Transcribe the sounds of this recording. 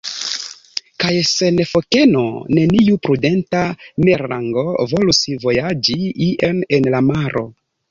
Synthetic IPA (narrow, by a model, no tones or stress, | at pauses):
kajse̞nefo̞ke̞no̞̰ne̞niupɾude̞ntameɾa̰ŋɡo̞vo̞lusivo̞jad͡ʒiiʔenenlamaɾʔo̞̰